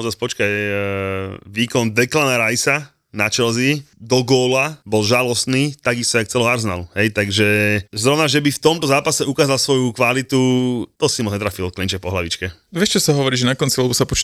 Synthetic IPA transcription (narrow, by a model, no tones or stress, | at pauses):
aɔzaːspɔt͡ʃkaj | ʋiːkɔnd̪ɛklanaɾajsa | nat͡ʃɛlzid̪ɔɡɔːlabɔlʒalɔst̪niːt̪aɡist̪ɔjak̚t͡sɛlɔaɾsna̰luɦɛjt̪aɡʒɛzɾɔʊnaʒɛbift̪ɔmt̪ɔzaːpasɛukaːzalsʋɔjukʋalit̪ut̪ɔsimɔd͡zɲɛt̪ɾafilɔklint͡ʃɛfpɔɦlaʋit͡ʃkɛʋɛʃt͡ʃɔsaɦɔʋɔɾiːʒɛnakɔnt͡sialɛbɔsapɔt͡ʃ